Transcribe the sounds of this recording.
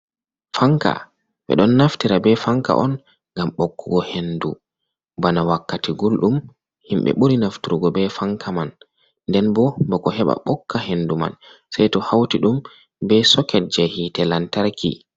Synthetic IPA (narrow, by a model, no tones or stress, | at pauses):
faŋka̰ | ɓɛ̰ɗɔnːaftiɾabɛfaŋka̰ʔɔn | ŋɡamɓokːuɡɔhendu | banawakːatiɡulɗum | himɓɛ̰ɓuɾinaftuɾuɡɔbɛfaŋkʰaman | ndɛnbɔbɔkɔhɛɓa̰ɓɔkːahenduma̰nsɛjtɔhawtiɗum | bɛsɔkɛd͡ʒɛhitɛlantaɾkḭ